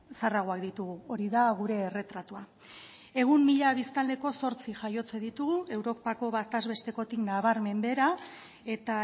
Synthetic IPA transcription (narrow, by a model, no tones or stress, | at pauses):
saraɣ̞oakd̪it̪uɣuo̞ɾiðaɣ̞uɾe̞ːre̞t̪ɾat̪ua | e̞ɣ̞umːiʎaβ̞ist̪ald̪e̞ko̞so̞ɾt͡siʝajo̞t͡se̞ðit̪uɣue̞wɾo̞pako̞βat̪azβe̞st̪e̞ko̞t̪iknaβaɾme̞mbe̞ɾa | e̞t̪a